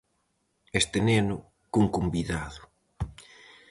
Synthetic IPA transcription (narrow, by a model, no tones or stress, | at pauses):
est̪enenʊ | kuŋkumbiðaðʊ̥